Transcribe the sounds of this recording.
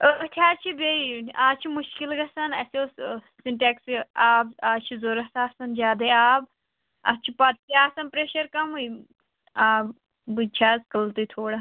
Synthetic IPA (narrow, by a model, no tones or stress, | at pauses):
ət̪ʰʲaːt͡ʃʰibeiaːt͡ʃʰimuʃkilɡɐsɐnɐsoː | sinʈeːksaːbaːt͡ʃʰizoɾɐsaːsɐnd͡ʒaːd̪ɐjaːb | ɐ̰t͡ʃʰipɐt̪̚t̪iaːsɐnpɾeːʃɐɾkɐmui | aːb | bɨt͡ʃʰaːzkɐlt̪ut̪ʰoːɽa